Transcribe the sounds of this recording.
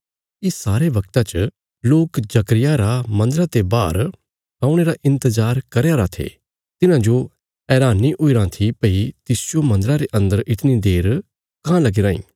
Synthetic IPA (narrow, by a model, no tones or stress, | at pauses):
ɪsaːɾeʋɐk̚t̪at͡ʃə | loːkd͡ʒɐkɾɪjaɾamɐ̃nd̪əɾãt̪ebaːɾ | kãːũɽ̃eːɾaʔɪ̃nt̪əzaːɾkɐɾjaːɾat̪ʰḛː | t̪ɪnãd͡ʒo | ɛːɾaːnːiʔʊiɾãt̪ʰipɐit̪ɪsd͡ʒjomɐ̃nd̪əɾaɾeʔɐ̃nd̪əɾɪt̪nid̪eːɾ | kãːlɐɡiɾãːḭ̃ː